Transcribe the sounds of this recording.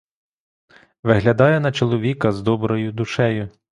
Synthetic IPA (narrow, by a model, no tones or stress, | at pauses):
ʋɪɦlʲɐd̪ɑjɛnɐt͡ʃɔlˠɔʋʲikɐzd̪ɔbɾɔjʊd̪ʊʃɛjʊ